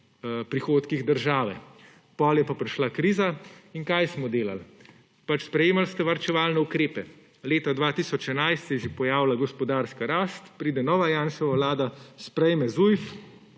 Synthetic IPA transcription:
pɾixoːt̪kiɣd̪əɾʒaːʋɛ̰ | pɔːljɛpapɾiʃlakɾiːzaiŋkajsmɔd̪eːla̰l | pat͡ʃspɾɛjeːmalst̪ɛʋaɾt͡ʃɛʋaːlnɛukɾeːpɛ | leːt̪ad̪ʋaːt̪isɔt͡ʃɛnajst̪sɛjɛʒepɔjaːwlaɡɔspɔd̪aːɾskaɾaːst̪pɾiːd̪ɛnɔːʋajanʃɔʋawlaːd̪aspɾɛjmɛzujf

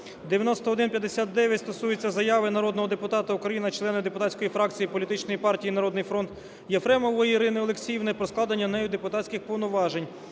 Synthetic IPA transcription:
d̪eʋʲjɐnɔst̪ɔɔd̪ɪnpʲjɐd̪ːesʲat̪̚d̪ɛʋʲjɐtʲst̪ɔsujʊt͡sʲːɐzɐjaʋɪnɐɾɔd̪nɔɦɔd̪epʊt̪ɑt̪ɐukɾɐjinɐt͡ʃlˠɛnɪd̪epʊt̪at͡sʲkɔjifɾɑkt͡sʲijipɔlʲit̪ɪt͡ʃnɔjipɑrtʲijinɐɾɔd̪nɪjfɾɔnt̪ | jɛfɾɛmɔʋɔjiɾɪnɪɔlˠeksʲijwnɛpɾɔsklˠɑd̪ɐnʲːɐnɛjʊd̪epʊt̪atʲsʲkʲɪxpɔʋnʊʋɑʒenʲ

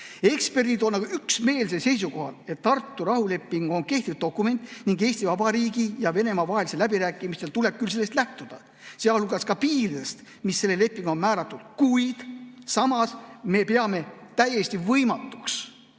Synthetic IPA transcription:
e̞kspe̞rd̪id̪o̞nːɑɡ̥ɑyksme̞ːlsese̞js̬uko̞hɑ̰le̞t̪ːɑrt̪ːuɾɑhule̞pːiŋɡ̥o̞nke̞ht̪id̪̚o̞kːˑume̞nʲt̪ːˑniŋɡe̞ːsʲt̪ivɑbɑɾiːɡijɑve̞ne̞mɑvɑɦeliselæbiɾæːkːˑimist̪elt̪ule̞b̥̚kylse̞lːe̞st̪læht̪ud̪̥ɑ | seɑlluɡɑskɑpiːrd̪est̪ | misːe̞lːele̞pːˑiŋɡ̥o̞nmæːɾɑt̪ːˑud̪̥kujd̪̥sɑmɑsme̞pe̞ɑme̞t̪æjest̪ivɤjmɑt̪ːˑuks

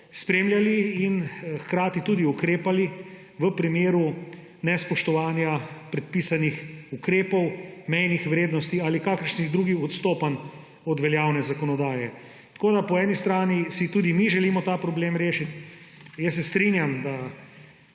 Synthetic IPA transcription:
spɾeːmljaliːnxkɾaːt̪it̪uːd̪iukɾeːpali | ʋəpɾimeːɾu | nɛspɔʃt̪ɔʋaːnjapɾɛt̪̚piːsanixukɾeːpɔwmɛjnixʋɾeːd̪nɔst̪ialikaːkəɾʃniɣd̪ɾuɡiɔt̪st̪oːpan | ɔd̪ʋɛljaːwnɛzakɔnɔd̪aːjɛ | t̪koːd̪apɔɛːnist̪ɾaːnisit̪uːd̪imiʒɛlimɔt̪aːpɾɔbleːmɾeːʃit̪jɛs̬ːɛst̪ɾinjamd̪a

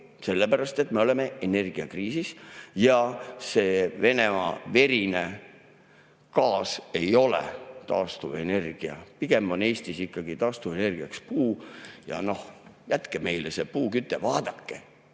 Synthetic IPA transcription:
se̞lːepæɾɑst̪e̞t̪me̞o̞leme̞ene̞rɡ̥iɑkriːsisjɑse̞ːve̞ne̞mɑ̰ve̞ɾine̞ | kɑːse̞jo̞lḛt̪ɑːst̪uve̞ne̞rɡ̥iɑ̰piɡ̥e̞mo̞ne̞ːst̪isikːɑɡ̥it̪ɑːst̪uvene̞rɡ̥iɑkspuːjɑ̰no̞hjæt̪keme̞jlese̞puːkyt̪ːˑevɑːd̪ɑkːe̞

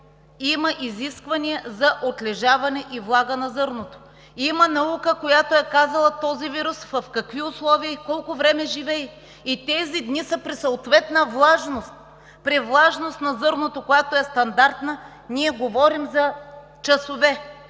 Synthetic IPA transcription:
imɐʔiziskvɐniɛzɐʔot̪lɛʒavɐnɛʔivlˠaɡənɐzɤɾnot̪o̥ | imɐnɐukəkojat̪oɛkazɐlˠɐt̪ɔziviɾʊsvɐfkɐkviʊslˠɔviəikɔlˠkʊvɾɛmɛʒivɛi | it̪ɛzid̪nisɐpɾisoːt̪vɛt̪nəvlˠaʒnost̪̚ | pɾivlˠaʒnost̪nɐzɤɾnot̪okojat̪oɛst̪ɐnd̪aɾt̪nə | niɛɡovɔɾimzɐ | t͡ʃɐsovɛ

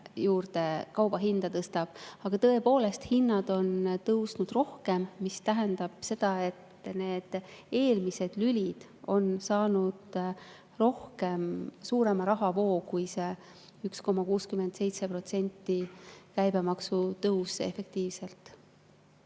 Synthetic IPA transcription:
juːrd̪̥e̞kɑwb̥ɑɦind̪̥ɑt̪ɤst̪ɑb̥ɑɡ̥ɑt̪ɤ̞e̞po̞ːle̞st̪hinːɑd̪̥o̞nt̪ɤwsnud̪̥ro̞hke̞mːist̪æɦend̪̥ɑb̥se̞d̪̥ɑe̞t̪ː | ne̞ːd̪̥e̞ːlmise̞d̪̥lylʲid̪̥ | o̞nsɑːnud̪̥ | ro̞hke̞msuːɾe̞mɑɾɑɦɑvo̞ːkujse̞ | yksko̞mɑkuːskyme̞nt̪se̞jt̪se̞pro̞t̪se̞nʲt̪ːikæjbemɑksut̪ɤwse̞̰fe̞k̚t̪iːvse̞lt̪ˑ

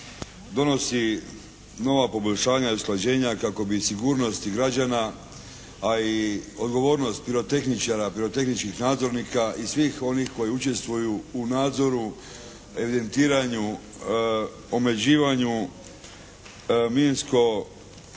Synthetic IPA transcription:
d̪o̞no̞si | no̞ʋapo̞bo̞ʎʲʃaːɲaiusklad͡ʑe̞ːɲakako̞bisiɡuːɾno̞st̪iɡɾad͡ʑanaː | io̞d̪ɡo̞ʋo̞ːɾno̞st̪̚piɾo̞t̪e̞xnit͡ʃaɾapiɾo̞t̪e̞xnit͡ʃkixnaːd̪zo̞ɾniːkaʔisʋiːxo̞nixko̞jeut͡ʃe̞st̪ʋujuːnaːd̪zo̞ɾu | e̞ʋid̪e̞nt̪iːɾaɲu | ome̞d͡ʑiːʋaɲu | minsko̞

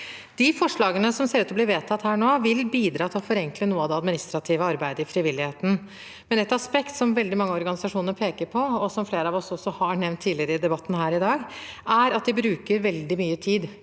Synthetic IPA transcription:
d̪̥ɪfɔʂɭɑːɡənəsɔmseːɾʉːt̪ɔblɪɾʋeːt̪ʰɑt̪ːhæːɳoːʋɪlbiːd̪ɾɑːt̪ʰlɔfɔɾɛŋklənuːəɑd̪ɛɑd̪mɪnɪst̪ɾɑt̪ʰiːʋəɑɾbæɪd̪əɪfɾɪʋɪlːɪheːt̪n̩ | mɛnɛt̪ɑspɛkt̪sɔmʋɛld̪ɪmɑŋːəɔɾɡɑnɪsɑʂuːnəɾpʰeːkəɾpʰɔɔsɔmfleːɾəɑːʋɔsɔsːɔhɑɳɛʋnt̪ʰːiːlɪəɾəɪd̪ɛbɑt̪ːn̩hæːɾɪd̪ɑːɡæɾɑt̪̚d̪ɪbɾʉːkəɾʋɛld̪ɪmyːət̪ʰiːd̪

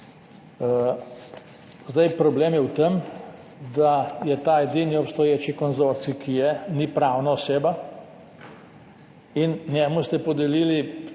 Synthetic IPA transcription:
zd̪ajpɾɔbleːmjɛwt̪em | d̪ajɛt̪aːɛd̪iniɔpst̪ɔjeːt͡ʃikɔnzoɾt̪sikʰijɛnipɾaːwnaɔseːba | innjɛmust̪ɛpɔd̪ɛliːli

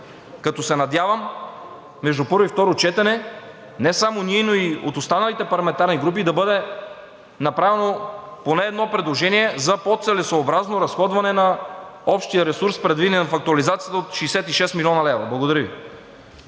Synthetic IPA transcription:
kɐt̪ɔsɛnɐd̪javəmː | ɛʒd̪upɤɾvoift̪ɔɾot͡ʃɛt̪ɛnɛ | nɛsamoniɛnoiot̪ost̪anɐlit̪ɛpɐɾlˠɐmɛnt̪aɾniɡɾup̬id̪ɐbɤd̪ɛ | nɐpɾavɛnoponɛːd̪nɔpɾɛd̪lˠoʒɛniɛzɐpot̪sɛlɛsoːbɾaznoɾɐsxɔd̪vɐnɛnɐɔpʃt̪ijəɾɛsuɾspɾɛd̪vid̪ɛnɛnɐfɐk̚t̪uɐlizat̪sijət̪əot̪ʃiːsɛt̪iʃɛst̪milʲɔnɐlɛvɾɐblˠɐɡod̪ɐɾəvḭ

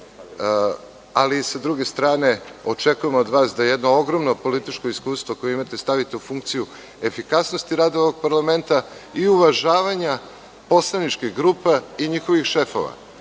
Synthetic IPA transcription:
alisad̪ɾuɡe̞st̪ɾaːne̞o̞t͡ʃekujemod̪ʋaːsd̪ajejed̪no̞oɡɾo̞mnopo̞lit̪it͡ʃko̞iskuːst̪ʋo̞ko̞jeimat̪est̪aʋit̪e̞ufuŋk̚t̪siju | e̞fikasno̞st̪iɾaːd̪aooʋoɡ̚paɾlame̞nt̪aiuʋaʒaːʋaɲa | po̞slˠanit͡ʃkiɡɾuːpaiɲixo̞ʋixʃefo̞̰ʋa̰

